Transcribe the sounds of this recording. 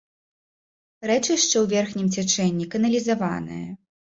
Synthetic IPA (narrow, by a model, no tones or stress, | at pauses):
ɾɛt͡ʂɨʂt͡ʂɛwvʲɛrxnʲimt͡sʲɛt͡ʂɛnʲːikɐnɐlʲizava̰nɨ̰jɐ̰